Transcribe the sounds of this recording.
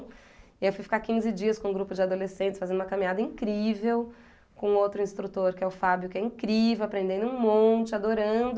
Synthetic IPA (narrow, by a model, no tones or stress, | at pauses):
ɪewfujfi̥kakĩzɪd͡ʒiɐskõũɡɾupʊd͡ʒɪad̪olesẽt͡ʃɪsfazẽd̪ũm̃ɐkamĩɲad̪ɐĩkɾivew | kõowt̪ɾʊĩst̪ɾut̪oɾkɪɛʊfabjʊkɪɛĩkɾivewapɾẽnd̪ẽnd̪ʊũmõnt͡ʃɪad̪oɾɐ̃d̪ʊ